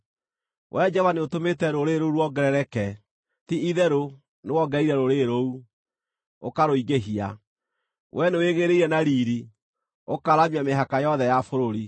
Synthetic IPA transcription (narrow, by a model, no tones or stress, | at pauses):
wʔɛd͡ʒɛvaneotometɛɾoɾeɾouɾwɔɡɛɾɛɾɛkɛ | tiʔiðɛɾo | newɔɡɛiɾɛɾoɾeɾou | okaɾoiɡeɦia | wʔɛneweɣeɾeiɾɛnaɾiːɾi | okaɾamiameɦakajɔðɛjafoɾoɾi